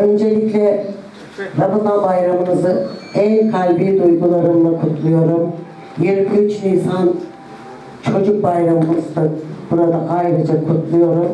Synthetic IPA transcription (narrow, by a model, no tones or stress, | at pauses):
ø̞nd͡ʒe̞lʲiclʲɛ | ɾabazabajɾamɯmɯzɯænkʰalʲbiːd̪ujɡulˠaɾɯmlˠakʰut̪ʰlˠujo̞ɾum | jiɾkyt͡ʃninsan | t͡ʃʰo̞d͡ʒuk̚bajɾamɯmɯzd̪abuɾad̪aʔajɾɯd͡ʒakʰut̪ʰlˠujo̞ɾum